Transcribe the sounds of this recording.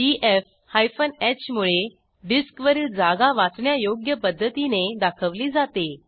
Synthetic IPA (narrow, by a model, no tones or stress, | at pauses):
iʔef | hajfənet͡ɕmuɭe | ɖiskʋəɾd͡zaɡaʋat͡sɳjajoɡjəpəd̪ʱːət̪ined̪akʰəʋliːd͡zat̪e